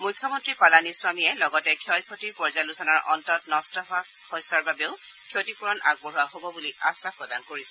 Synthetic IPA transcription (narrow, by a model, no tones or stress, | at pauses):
mujkʰjɔmɔntɹipalaniswamijɛlɔɡɔtɛkʰɔjkʰotiɹpɔɹzalusɔnaɹʔɔntɔt̚nɔstɔɦa | hɔjsaɹbabeʊ | kʰiotipuɹɔnʔa̰ɡ̚bɔɦuaɦobɔbuliasapɹɔdankoɹisɛ